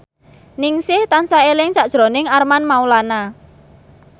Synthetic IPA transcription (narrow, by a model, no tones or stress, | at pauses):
nɪŋsɪht̪ansaelɪŋsaʔd̥ʒ̥ɾo̤nɪŋarmanmaulana